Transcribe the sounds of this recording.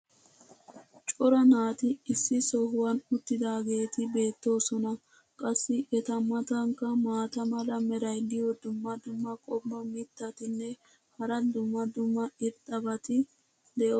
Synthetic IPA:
t͡ʃʼɔɾɐnaːt̪ɪɪsːɪsɔhʊwɐnʊt̪ːɪd̪aːɡe̞ːt̪ɪbe̞ːt̪ːo̞ːsɔnɐ | kʼɐsːɪʔɛt̪ɐmːɐt̪ɐŋkːɐmaːt̪ɐmɐlɐmɛɾɐjd̪ɪjɔd̪ʊmːɐd̪ʊmːɐkʼɔbːɐmɪt̪ːɐt̪ɪnːɛ | hɐɾɐd̪ʊmːɐd̪ʊmːɐɪɾt̪ʼːɐbɐt̪ɪ | d̪ɛʔo

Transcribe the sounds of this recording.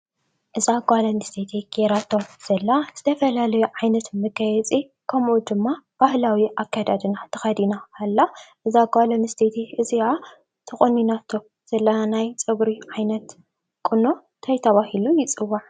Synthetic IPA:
ʔɨziaɡʷalɐnɨst̪ʰet̪ʰiɡ̥eɾat̪ʰːoz̥ɐlːaz̥ɨt̪ʰɐfɐlalɐjuʕajnɐt̪mɨɡɐjɛt͡sʼi | kʰɐmʔud̪ɨmːab̥ahlawiʔakʰːad̪ad̪ɨnat̪ʰɨxɐd̪inaːlːaʔɨzaɡʷalɐnɨst̪ʰet̪ʰiʔɨzia | t̪ʰɨχʼɨninat̪ʰːo | z̥ɐlːɐanajt͡sʼɨβɾiʕajnɐt̪ | kʼɨno̞ | t̪ʰɐjt̪ʰɐβahilujɪt͡sʼɨwːaʕ

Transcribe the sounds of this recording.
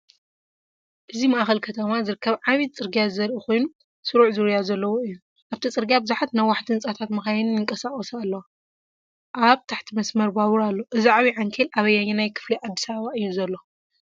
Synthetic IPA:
ʔɨzimaʔxɐlkʰɐt̪ʰɐmazɨɾɨkʰːɐβʕaβit̪̚t͡sʼɨɾɡijazɐɾʔixo̞jnu | sɨɾuʕzɨɾɨjazɐlːɐwoɨjːu | ʔaβt̪ʰit͡sʼɨɾɡijabɨzuħat̪najwaħt̪ʰɨnt͡sʼat̪ʰat̪mɨxajnnɨŋkʼɐsaχʼɐsalːɐwa | ʔaβt̪ʰaħt̪ʰimɐsmɐɾbawuɾalːo̞ʔɨziʕaβiʕaŋkʰelʔaβɐjːaɲːenajkʰɨ̥fliʕad̪ːisɐβɐβaʔɨjːuzɐlːo̞

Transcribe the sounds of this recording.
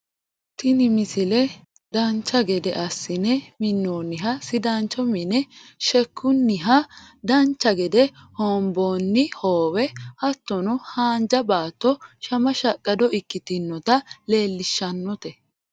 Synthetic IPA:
t̪ɪnɪmɪsɪlɛ | d̪ɐnt͡ʃːɐɡɛd̪ɛʔɐsːɪnɛmɪnːoːnːɪɦɐsɪd̪ant͡ʃːɔmɪnɛʃɛkʰːʊnːɪɦɐd̪ɐnt͡ʃːɐɡɛd̪ɛhɔːmboːnːɪhoːwɛhɐt̪ːɔnʊhaːnd͡ʒɐbaːt̪ːɔʃɐmɐʃɐkʼːɐd̪ɔʔɪkːɪt̪ɪnːɔt̪ɐle̞ːlːɪʃːɐnːɔt̪ɛ

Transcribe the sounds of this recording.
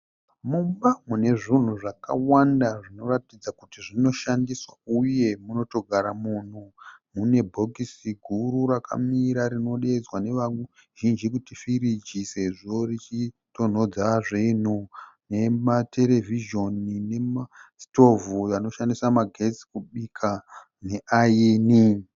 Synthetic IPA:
mumbamune̞ʐin̤uʐaka̰wandaʐino̞ratid͡zakutiʐino̞ʃandiswauje̞muno̞to̞ɡʱaɾamun̤umune̞bʱo̞kisiɡʱuɾuɾakʰa̰miɾaɾino̞ɗed͡zwane̞ʋau | ʒ̥ind͡ʒikutifiɾid͡ʒise̞ʐo̞rit͡ʃi | to̞n̤o̞d͡zaʐin̤une̞mate̞le̞viʒo̞nine̞masto̞vujano̞ʃandisamaɡʱe̞t͡si̥kuɓikʰa | ne̞ʔajiːni

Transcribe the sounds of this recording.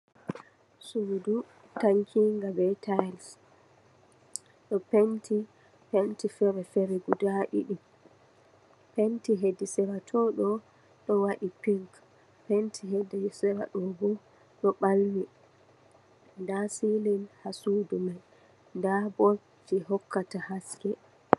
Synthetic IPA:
sudu | taŋkʰiŋɡabɛtʰajls | ɗɔpentʰi | pentifɛɾɛfɛɾɛɡudaɗḭɗim | pentiɦedisɛɾatʰɔɗɔ | ɗɔwaɗipiŋk | pentʰiɦedɛsɛɾa̰ɗɔbɔ | ɗɔɓalni | ndasilinhasuːdumaj | ndabɔ | d͡ʒiɦɔkʰːatahaskɛ

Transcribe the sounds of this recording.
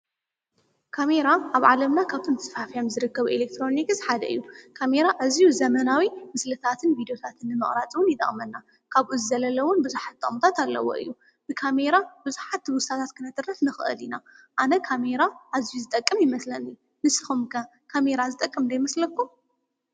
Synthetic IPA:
kʰame̞ɾaʔaβʕalɐmnakʰaβt̪ʰomt̪ʰɐsfafijamzɨɾɨkːɐβuʔelek̚t̪ʰɾo̞nikzħad̪ɐ̰ɨ̰jːukʰameɾaʔazijuzɐmɐnawimɨslɨt̪ʰat̪ʰɨnvid̪ijo̞t̪ʰat̪ʰɨnːɨmɨχʼɾat͡sʼɨwʊnjɪt̪ʼɐ̰χʼmɐnːa | kʰaβʔuzɨzɐlɐlɐwʊnbɨzuħat̪̚d̪ɨ̰χʼmt̪ʰat̪alːɐ̰wo̰ʔɨ̰jːu | b̥ɨkʰame̞ɾabɨzuħat̪ːwʊsat̪ʰat̪kʰɨnɐt̪ʼɨrɐsnɨxɨ̰ʔɨ̰linaʔanɐkʰame̞ɾaʔazijuzɨt̪ʼɐkʼːɨmjɪmɐslɐnɨju | nɨsɨxumkʰɐ | kʰameɾazɨt̪ʼɐkʼːɨmd̪ajmɐslɐkːu

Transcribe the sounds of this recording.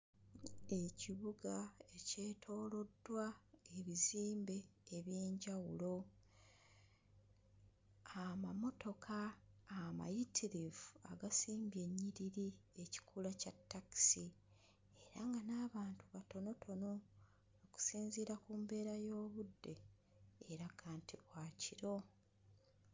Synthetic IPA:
e̞ciβuɡae̞ce̞ːtʰo̞ːlo̞dwaeβiziːmbe̞ːβje̞ːɲɟawulo̞ | amamo̞to̞kʰaː | ma̰jitʰiɾivua̰ɡasiːmbje̞ɲːiɾiɾie̞ci̥kʰulacatːaki̥si | e̞ɾaŋɡanaːβaːntuβato̞no̞tʰo̞no̞ | oku̥siːnziɾakuːmbe̞ːɾajo̞ːβudːe̞ | eɾakʰaːntʰiβwaːciɾo̞

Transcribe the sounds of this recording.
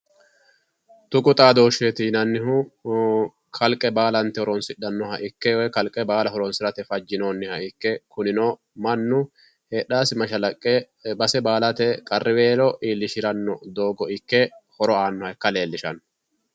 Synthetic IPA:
t̪ʊkʼʊt̪ʼaːd̪oːʃeːt̪iːnɐnːɪɦʊ | kʰɐlkʼːɛbaːlɐnt̪ɛhɔɾɔnsɪɗːɐnːɔɦɐʔɪkːɛwɛkɐlkʼɛbaːlɐhɔɾɔnsɪɾɐt̪ɛfɐd͡ʒːɪnoːnːɪhɐɪkːɛkʊnɪnoː | mɐnːʊ | heːᶑaːsɪmɐʃɐlɐkʼːɛ | bɐsɛbaːlɐt̪ɛkʼɐrːʔɪbeːlɔʔiːlːɪʃɪɾɐnːɔd̪o̞ːɡɔɪkːɛhɔɾɔaːnːɔhɐɛkːɐle̞ːlːɪʃɐn

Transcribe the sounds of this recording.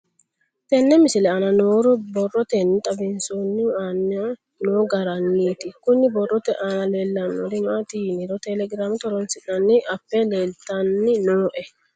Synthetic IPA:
t̪ɛnːɛmɪsɪlɛɐnɐnoːɾʊbɔrɔt̪ɛnːɪt̪ʼɐbɪnsonːɪaːnːɐ | noːɡɐɾɐnːiːt̪ɪkʊnːɪbɔrːɔt̪ɛʔanɐleːlːɐnːoɾɪmaːt̪iːnɪɾɔt̪ɛlɛɡɾaːmɪt̪ɔɾɔnsɪnɐnːɪʔɐpːɛleːlt̪ɐnːɪnoːʔɛ

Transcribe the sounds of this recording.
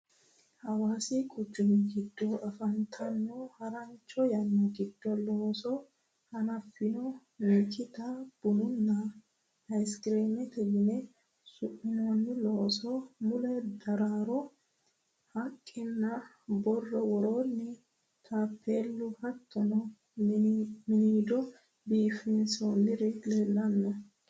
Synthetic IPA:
hɐwaːsɪkʼʊt͡ʃːʊnɪɡɪd̪ːɔɐfɐnt̪ʰɐnːɔhɐɾɐnt͡ʃːɔjɐnːɔɡɪd̪̥ːɔloːsɔ | hɐnɐfːɪnɔ | meːt̪ɪt̪ɐb̥ʊnʊnːɐ | hɐjskɾeːmɛt̪ɛjɪnɛ | sʊʔːɪnoːnːɪloːsɔmʊlɛd̪ɐɾaːɾɔ | hɐkʼːɪnːɐ | bɔrːɔwɔɾoːnːɪ | t̪ʰapʰːeːlːʊhɐt̪ːɔnɔ | mɪniːd̪ɔ | biːfɪnsoːnːɪɾɪleːlːɐnːɔ

